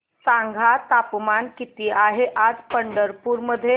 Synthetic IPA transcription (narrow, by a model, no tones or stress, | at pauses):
sãŋɡʱat̪apmankit̪iːʔaɦeʔad͡zpəɳɖəɾpuɾməd̪ʱːje